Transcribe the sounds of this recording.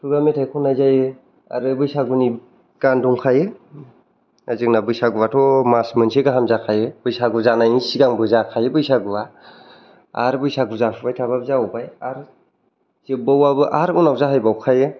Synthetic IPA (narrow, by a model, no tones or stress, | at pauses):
tʰuɡametʰajkʰɔnːajzajɯ | a̰ɾɯbɯjsaɡuni | ɡ̥anduŋkʰajɯ | azɯknabɯjsaɡuwatʰɔmasmɯnsʰeɡaɦamzakʰajɯbɯjsaɡuzanajisiɡaŋbɯzakʰajɯbɯjsaɡua | a̰ɾbɯjsaɡuzapʰbajtʰababzaɔbajaɾ | z̥ebawabɯʔaɾunawzaɦajbawkʰajɯ